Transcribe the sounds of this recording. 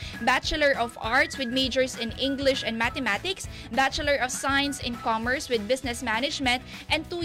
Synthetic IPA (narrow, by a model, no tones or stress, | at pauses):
bat͡ʃəlɛɹɔfaɹt̪swɪd̪̚mejd͡ʒɛɹsɪ̃nɪ̃ŋɡlɪʃɛ̃nd̪̚mat̪ɛmat̪ɪks | bat͡ʃəlɛɹɔv̥sajnsɪ̃nkɔmɛɹswɪd̪̚bɪsnɛsmænɪd͡ʒmɛ̃nt̪̚ | ʔɛ̃n̚t̪u